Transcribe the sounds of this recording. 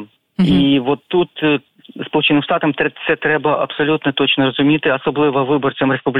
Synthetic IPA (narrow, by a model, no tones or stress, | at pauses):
ivot̪ːut̪ | spɐlˠut͡ɕɛnːɨmʂt̪at̪ɐmt̪ɛt̪sɛt̪ɾɛbɐʔɐ̰psɐlʲut̪nɐt̪ot͡ɕnɐɾɐzʊmʲit̪ɨɐsɐblˠɨvɐvɨbɐrt̪sɐmɾɛspublʲ